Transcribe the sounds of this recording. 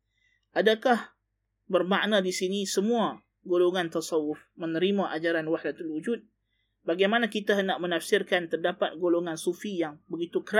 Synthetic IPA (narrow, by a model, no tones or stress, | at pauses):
ʔadakah | bərmaʔnãdisinisəmũa | ɡoloŋãnt̪ɑsɑwʊfmə̃nəɾimãʔad͡ʒaɾanwaħdat̪alwud͡ʒut̪̚ | baɡajmanãkit̪aɦənaʔmənafsɪrkant̪ərdapat̪̚ɡoloŋansufijaŋbəɡit̪ukəɾa